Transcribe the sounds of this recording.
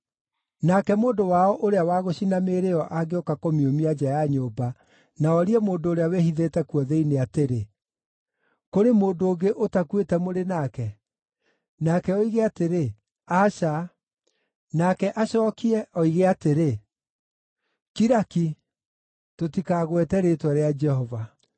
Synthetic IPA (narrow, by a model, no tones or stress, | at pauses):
nakɛmoːndowaɔʔoɾeawaɣoɕinameɾeɔʔaɡeɔkakomiomiad͡ʑajaɲoːba | naɔɾiɛmoːndoːɾeawɛhiðeːtɛkuɔðɛineateɾe | koɾemoːndoːɡeʔotakwetɛmoɾenakɛ | nakɛɔiɣeateɾe | aʃa | nakɛʔaɕɔkiɛʔɔiɣeateɾe | kiɾaki | totikaɣwɛtɛɾetwɔɾead͡ʒɛhɔva